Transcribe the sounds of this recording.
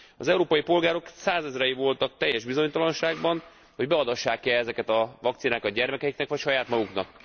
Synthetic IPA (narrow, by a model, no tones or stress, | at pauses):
ɒzɛuɾoːpɒjipo̞lɡaːɾo̞ksaːzɛzrɛjivo̞lt̪ɒk̚t̪ɛjːɛʒbizo̞ɲt̪ɒlɒnʃaːɡbɒn | ho̞ɟbɛɒd̪ɒʃːaːkɛɛzɛkɛt̪ɒvɒkt̪sinaːkɒt̪̚ɟɛrmɛkɛjiknɛkʋɒcʃɒjaːt̪mɒɡuknɒk